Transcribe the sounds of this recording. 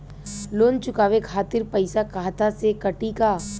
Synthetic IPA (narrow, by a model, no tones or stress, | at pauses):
loːnt͡ʃʊkaːʋekʰaːt̪ɪɾpəɪsakaːt̪asekɐʈikaː